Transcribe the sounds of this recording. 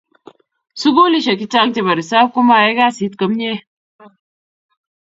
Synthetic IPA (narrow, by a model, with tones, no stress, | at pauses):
su˦ɡo˦li˦ʃa˨ki˦t͡ʃa˦ŋte˦˨bɐ˨ɾi˨saː˦b̚ku˦ma˨je˦ɡa˦si˨˦t̪kɐ˨mɲe˦